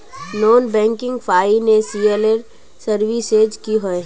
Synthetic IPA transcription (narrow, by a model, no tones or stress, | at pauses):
noːnbɛ̃ːŋkɪ̃ŋɡfʰaːinesieːleɾ | səɾʋised͡ʒkiɦoe